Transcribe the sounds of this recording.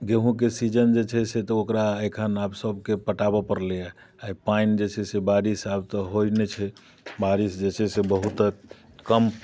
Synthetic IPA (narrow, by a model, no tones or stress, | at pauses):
ɡeɦũk̬esid͡ʒənd͡ʒet͡ʃʰɛset̪ɔokɾaekʰənabsəbkepəʈabapəɾlɛja | aipaind͡ʒet͡ʃʰɛsebaɾisabt̪ɔɦojnet͡ʃʰɛ | baɾisd͡ʒet͡ʃʰɛsebəɦut̪ | kəm